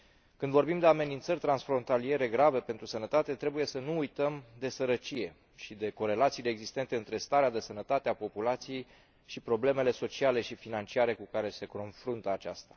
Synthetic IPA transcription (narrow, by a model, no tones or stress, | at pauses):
kɨnd̪vo̞rbimd̪e̞ame̞nint̪sərʲt̪ɾansfɾo̞nt̪alie̞ɾe̞ɡɾave̞pe̞nt̪ɾusənət̪at̪e̞t̪ɾe̞buje̞sənuːjt̪əmd̪e̞səɾət͡ʃije̞ | ʃid̪e̞ko̞ɾe̞lat̪sileːɡzist̪e̞nt̪e̞ɨnt̪ɾe̞st̪aɾead̪e̞sənət̪at̪eapo̞pulat̪sije̞j | ʃipɾo̞ble̞me̞le̞so̞t͡ʃiale̞ʃifinant͡ʃiaɾe̞kukaɾe̞se̞ko̞nfɾunt̪əat͡ʃa̰st̪ḁ